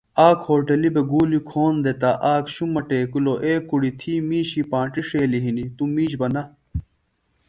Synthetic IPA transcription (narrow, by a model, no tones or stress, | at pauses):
aːkhoːʈelibeɡuːlikʰoːnd̪et̪aʔaːkɕumːɐʈeːkuloʔeːkːuɽit̪ʰiːmiːɕipãːʈiʂeːliɦinit̪umiːɕbɐnɐ